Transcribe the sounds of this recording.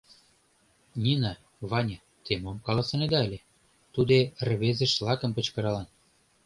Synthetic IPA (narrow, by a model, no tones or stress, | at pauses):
nʲinɑ | βɑnʲɑ | t̪emomkɑlˠɑsɤ̆ned̪ɑəlʲĕ | t̪ud̪erβezĕʃlɑkə̆mpə̆t͡ɕkɤ̆ɾɑlɑn